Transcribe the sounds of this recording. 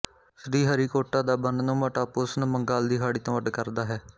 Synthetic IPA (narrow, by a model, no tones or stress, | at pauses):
sɖiːɦəɾiːkoːʈːaːd̪aːbənnõːməʈaːpʊsnːməŋɡaːld̪iːɦaːɽiːt̪õːʋəɖkəɾd̪aːɦɛː